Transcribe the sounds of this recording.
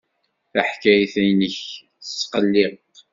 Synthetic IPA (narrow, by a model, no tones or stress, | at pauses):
θæħkæjθæjnəç | θəsːqəlːɪʁq